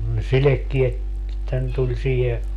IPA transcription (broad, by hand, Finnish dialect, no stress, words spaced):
ne silekːiet etːæ ne tulʲ siːhe